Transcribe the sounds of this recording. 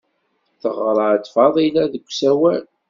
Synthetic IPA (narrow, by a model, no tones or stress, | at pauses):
θəʁɾˤɑʕd̪fɑðˤilæðəɡʷːsæwæl